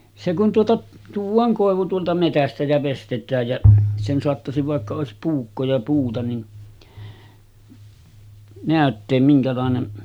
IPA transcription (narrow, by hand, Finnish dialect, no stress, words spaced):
se kun tuotɑ tuːʋˑɑːŋ koˑeʋu tuoltɑ metæstæ jæ ʋestetˑæːj jæ sen soɑtːɑsiʋ ʋɑˑekːɑ oˑesip puːkːo jɑ puːtɑ nin næˑøtːeːm miŋkælɑˑenem